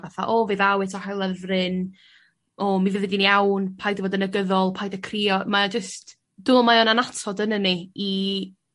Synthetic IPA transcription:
vaθa̰ʔovɨðawɨtʰɔhajlˠəvrɨn | ɔmivɨvɛdiniawnpʰajdvoːdənəɡəðɔlˠpʰajdakʰrijɔmad͡ʒəst | d̥ʊlˠmajɔnanatʰɔdənənii

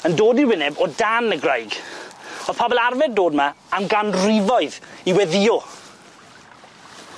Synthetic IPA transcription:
əndoːdiwɪnɛbɔdanəɡrajɡ | oð̥pʰɔbɛlˠarvɛddoːdmaː | mɡanrɪvɔɨðiwɛðɪɔ

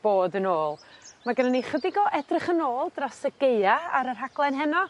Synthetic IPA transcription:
b̥oːdənoːlˠmaɡənaniχədɪɡɔʔɛdrɪχənoːlˠdrasəɡeɨaaɾər̥ɦaɡ̥lˠɛnɦɛnɔ

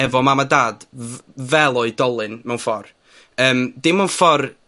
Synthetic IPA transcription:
ɛvɔmamadaːd̥vɛlˠɔɨdɔlˠɨnmɛwnfɔr | əːmd̥ɪmɛw̃nfɔr

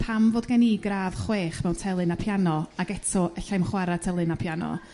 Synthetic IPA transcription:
pʰamvoːdɡaniɡraːv̥χweːχmɛwntʰɛlˠɨnapʰjanɔaɡɛtʰɔʔɛɬajmχwaɾatʰɛlˠɨnapʰjanɔ̰

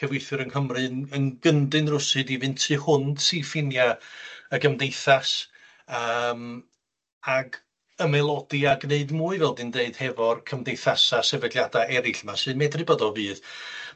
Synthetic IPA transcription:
kʰəvwɪjθɨɾənhəmrɨnənɡəndɨnrʊsɨdivɨntʰɨhʊnd̥sifɪnjaəɡəmdejθas | əm | aɡ | əmɛlˠɔdiaɡneɨdmuːɨvɛlˠdɨndeɨd̥hɛvɔrkʰəmdejθasasɛvədljadaɛɾɪɬmasɨːmɛdrɨbodɔvɨːð

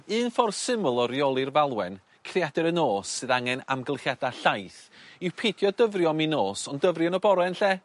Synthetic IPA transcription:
ɨːnfɔrsɪmʊlˠɔɾjɔlˠɨrvalˠwɛn | kʰrijadɛɾənoːsːɨðaŋɛna̰mɡəlˠχjadaɬajθiwpʰedjɔdəvrjɔminoːsɔndəvrjɔnɔbɔɾɛnɬɛ

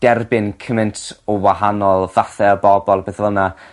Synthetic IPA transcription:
d̥ɛrbɪnkʰəmɛntʰɔwaɦanɔlˠvaθɛəbɔbɔlˠbeːθvəlˠna

